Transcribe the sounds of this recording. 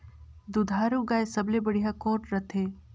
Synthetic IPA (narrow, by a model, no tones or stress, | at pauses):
d̪ud̪ʱaːɾuɡaːesɐblebɐɽiɦakɔːʈɾɐt̪ʰeː